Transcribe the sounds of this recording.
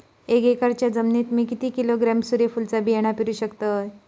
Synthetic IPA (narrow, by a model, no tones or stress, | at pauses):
eɡekaɾt͡ɕjad͡zəmnit̪miːkit̪iːkiloɡɾamsuɾefult͡sabieɽ̃apiɾuːɕəkt̪ət̪